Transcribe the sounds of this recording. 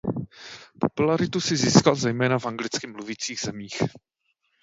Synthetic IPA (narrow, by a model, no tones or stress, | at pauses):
populaɾɪt̪usɪziːskalzɛjmɛːnafʔaŋɡlɪt͡skɪmluviːt͡siːɣz̥ɛmiːx